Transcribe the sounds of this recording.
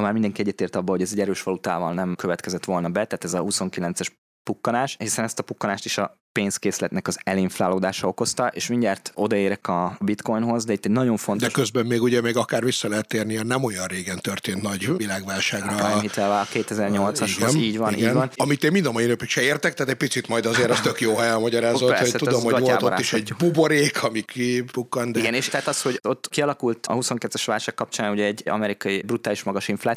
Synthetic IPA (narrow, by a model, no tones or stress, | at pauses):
maːrmind̪ɛŋkiɛɟːɛt̪eːrt̪ɒbːɒlho̞ɟɛzɛɟɛɾøːʃʋɒlut̪a̰ːvɒlnɛmkøvɛt̪kɛzɛt̪ʋo̞lnɒbɛt̪aːt̪ɛzɒhuso̞ŋkilɛnt̪sɛʃ | pukːɒnaːʃhisɛnɛst̪ɒpukːɒnaːʃt̪iʃɒpeːnskeːslɛt̪nɛkɒzɛliɱflaːloːd̪aːʃɒo̞ko̞st̪ɒʔeːʃmiɲɟaːrt̪o̞d̪ɒeːɾɛkɒbit̪ko̞jnɦo̞zd̪ɛit̪ːɛɟnɒɟo̞ɱfo̞ntd̪ɛoʃkøzbɛmːeːɡuɟɛmeːɡɒkaːrvisːɒlɛɦɛt̪ːeːrniɛnɛmo̞jɒnreːɡɛnt̪ørt̪eːnt̪nɒɟʋilaːɡʋaːlʃaːɡrɒamit̪ʋɛvaɒkeːt̪ɛzɛrɲo̞lt̪sɒʃhɡoɛziːɟʋɒnḭːʋɒnɒmit̪eːmind̪ɒmɒjinøpykʃɛeːrt̪ɛk̚t̪aːt̪ɛc̚ʲpit̪sit̪mɒjd̪ɒzeːɾɒst̪økjoːɦɛjɛlmɒɟɒɾaːzoɛosɛt̪ud̪omooalːb̪oɾa̰ːiʃɛɟbuboɾeːkʰɒmikibukːɒnd̪ɛiiɡɛneːʃt̪ɛɦaːt̪ɒshoɟo̞t̪ːkiɒlɒkult̪ɒ̰huso̞ŋkɛt̪ːɛʃʋaːlʃaːkːɒp̚t͡ʃaːnuɟɛɛɟɒ̰mɛɾikɒjibrut̪aːliʃmɒɡɒʃiɱflat̪